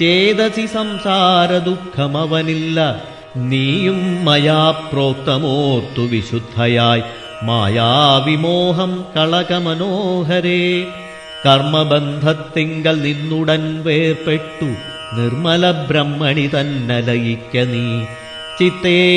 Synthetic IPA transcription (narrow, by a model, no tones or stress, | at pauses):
t͡ʃeːd̪ɐsisɐmsaːɾɐd̪ukʰːɐmɐʋɐnilːɐ | niːjumːɐjaːpɾoːt̪ːɐmoːt̪ːuʋiɕud̪ʱːɐjaːj | ma̰ːjaːʋimoːɦɐmkɐɭɐkɐmɐnoːɦɐɾeː | kɐrmɐbɐnd̪ʱɐt̪ːiŋɡɐɭninːuɽɐnʋeːrpeʈːu | nirmɐlɐbɾɐmːɐɳit̪ɐnːɐlɐjikʲːɐniː | t͡ʃit̪ːeː